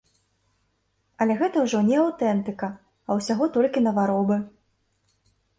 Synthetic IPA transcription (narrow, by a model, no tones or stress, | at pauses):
ɐlʲɛɣɛt̪ɐwʐɔnʲɛawt̪ɛnt̪ɨkɐ | ɐwsʲaɣɔt̪ɔlʲkʲinɐvaɾɔbɨ